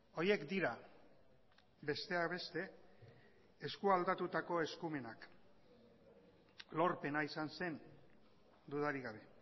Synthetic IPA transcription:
o̞je̞kd̪iɾa | be̞st̪e̞aβe̞st̪e̞ | eskuald̪at̪ut̪ako̞e̞skume̞nak | lo̞ɾpe̞naisanse̞n | d̪uðaɾiɣaβe̞

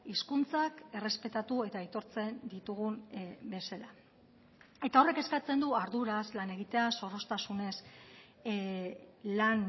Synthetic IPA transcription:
iskunt͡sake̞re̞spe̞t̪at̪ue̞t̪aːjt̪o̞ɾt͡se̞nd̪it̪uɣ̞umbe̞sala | e̞t̪ao̞re̞ke̞skat͡se̞nd̪uaɾðuɾaslane̞ɣ̞it̪e̞aso̞ro̞st̪asune̞s | lan

